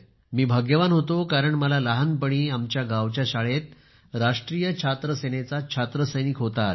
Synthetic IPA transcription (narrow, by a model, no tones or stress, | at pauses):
miːbʱaɡjəʋanɦot̪okaɾəɳməlalaɦanpəɳiːamt͡ɕjaɡaʋt͡ɕjaɕaɭet̪ | ɾaʂʈɾijət͡ɕʰat̪ɾəsenet͡sat͡ɕʰat̪ɾəsəjnikɦot̪a